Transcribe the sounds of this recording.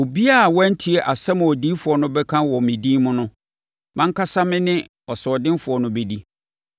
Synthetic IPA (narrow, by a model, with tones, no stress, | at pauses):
o˨bi˦a˦˨wɔ̃˦n̩˦tʰi˨˦ɛ˨ʔa˨sɛ˦mʊ̃˨ɔ˨dĩː˦fʊ˨ɔ˨˦nʊ̃˦bɛ˦kʰã˦wɔ˨mɪ̃˨dĩ˦mʊ̃˦nʊ̃˦ | mã˦ŋ̩˦kʰa˦sa˦mɪ̃˦nɪ̃˦ | ɔ˨sɛ˨ɔ˨dɪ̃˦nfʊ˨ɔ˨nʊ̃˦be˦˨di˦